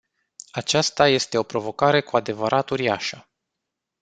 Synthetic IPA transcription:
at͡ʃast̪aje̞st̪e̞o̞pɾo̞vo̞kaɾe̞kuad̪e̞vəɾʔat̪uɾiaʃə

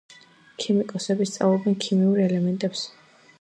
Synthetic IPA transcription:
kʰimikʼɔsɛbist̪sʼa̰vlˠɔbɛnkʰimiuɾɛlɛmɛnt̪ʼɛps

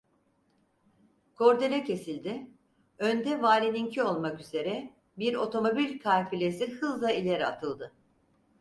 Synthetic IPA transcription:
kʰo̞ɾd̪e̞lʲɛcʰe̞silʲd̪ɪ | ønd̪ɛvaːlʲiniɲcʰio̞lˠmakyze̞ɾɛ | biɾo̞t̪ʰo̞mo̞bilʲkʰalʲfilʲesihɯzlˠailʲeɾiat̪ʰɯlˠd̪ɯ

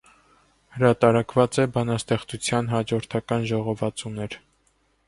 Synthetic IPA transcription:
həɾɑt̪ɑɾɑkvɑt͡sɛbɑnɑst̪ɛχt͡sut͡sʰjɑnɦɑd͡ʒɔɾt̪ʰɑkɑnʒɔʁɔvɑt͡sunɛɾ

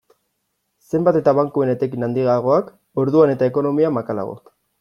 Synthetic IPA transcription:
se̞mbat̪e̞t̪aβaŋkue̞ne̞t̪e̞kinand̪iɣaɣ̞o̞ak | o̞ɾðuane̞t̪aeko̞no̞miamakala̰ɣo̰k

